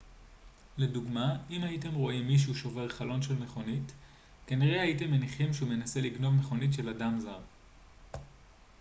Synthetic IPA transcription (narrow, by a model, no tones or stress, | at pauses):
le̞duɡmaimaite̞mʁo̞imːiʃ̬uʃo̞ve̞ʁχalo̞nʃe̞lme̞χo̞nit | kaniʁeaite̞mːeniχimʃeume̞nase̞liɡno̞vme̞χo̞nitʃe̞ladamzaʁ